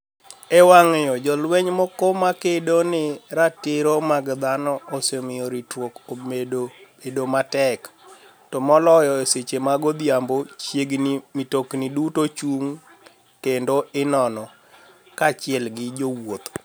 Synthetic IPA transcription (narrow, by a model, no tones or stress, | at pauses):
ɛwaŋejɔd͡ʒɔlwɛɲmɔkomakedonɪɾatɪɾomaɡd̪anɔosemɪjɔɾitwokomedobedomatɛk | tɔmɔlɔjɔeset͡ʃemaɡod̪jambot͡ʃjeɡnimitoknɪdutot͡ʃuŋ | kendoɪnɔnɔ | kat͡ʃɪɛlɡɪd͡ʒowot̪